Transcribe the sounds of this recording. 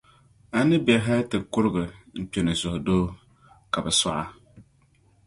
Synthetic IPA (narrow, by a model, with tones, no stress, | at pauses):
a˨nɨ˦bɛ˨ɦa˦tɪ˨kʊ˦ɾɡɨ˨m̩˨pe˨nɨ˨zʊ˨hʊ˨doː˦ | ka˨bɛ˨sa̰˦ʔa˦